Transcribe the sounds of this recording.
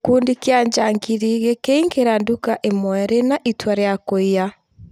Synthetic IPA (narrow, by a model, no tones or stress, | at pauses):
kuːndikeaɲd͡ʒaŋɡiɾiɣekeiŋɡeɾandukaʔemwɛɾenaʔitwaɾeakoia